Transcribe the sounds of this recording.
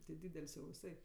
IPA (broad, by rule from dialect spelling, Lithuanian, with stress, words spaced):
tʲɪ ˈdʲiːdʲɛlʲsʲ jɛʊ ʋʲɪˈsɐɪ